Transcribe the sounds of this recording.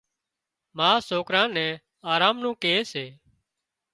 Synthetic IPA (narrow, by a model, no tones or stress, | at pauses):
maːsoːkɾãːnɛ̃ː | aːɾaːmnũːkeːseː